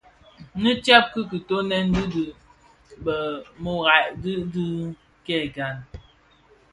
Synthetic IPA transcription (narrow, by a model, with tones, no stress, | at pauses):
nɨ˦tja˦p̚kɨ˦ki˨to˦nɛ˦n˦di˦dɨ˨ | bə˨mo˦ɣa˨ʔdɨ˦dɨ˦ | kɛ˦˨ɡa˨n